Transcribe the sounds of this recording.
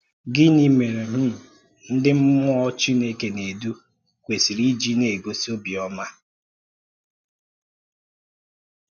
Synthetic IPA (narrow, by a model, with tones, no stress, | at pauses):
ɡɪ˦ni˨me˨ɾe˨ɦ̩˦˨ | n̩˦dɪ˦m̩˦mʊ˦ɔ˦t͡ʃi˦ne˦ke˨ne˨du˦ | kʷe˨si˨ɾi˦d͡ʒi˦ne˨ɡo˨so˦bi˨ɔ˦ma˦